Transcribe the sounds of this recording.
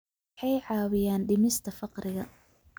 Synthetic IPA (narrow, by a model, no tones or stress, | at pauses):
ħɑjʕɑːwɪjaːnɖɪmɪst̪ʰɐfɑqrɪɣɐ